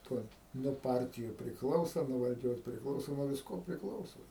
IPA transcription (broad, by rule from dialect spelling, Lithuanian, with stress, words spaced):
ˈtuɔj nuɔ ˈpɐrʲtʲɪjʊ pʲrʲɪkˈlˠɐʊsɐ nuɔ ʋɐlʲˈd͡ʒʲoːs pʲrʲɪkˈlˠɐʊsoː nuɔ ʋʲɪsˈkoː pʲrʲɪkˈlˠɐʊsoː